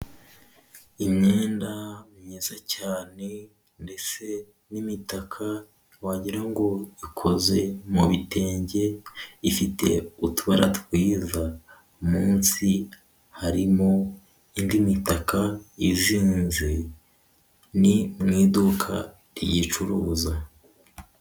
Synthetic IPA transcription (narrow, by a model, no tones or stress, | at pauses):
imɲeːndamɲiːzacaːne̞ | nde̞t͡se̞ | nimitakʰa | waɟiɾaŋɡo̞ikʰo̞ze̞muβite̞ːɲɟe̞ifite̞̰utuβaɾa̰twiːza | umuːnsi | haɾimo̞ | indimitakaiziːnze | nimŋiːdukʰa̰ | ɾijit͡ʃuɾuːza